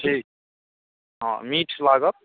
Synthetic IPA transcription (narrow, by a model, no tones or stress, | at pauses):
ʈʰiːk̚ | ɦã̰miːʈʰlaɡət̪̚